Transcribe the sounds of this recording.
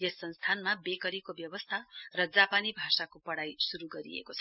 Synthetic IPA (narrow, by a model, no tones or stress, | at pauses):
jesːʌnst̪ʰanmabekʌɾikobjʌbʌst̪ʰarʌd͡zapanibʱasakopʌɽajsuɾuɡʌɾḭḛkot͡sʰʌ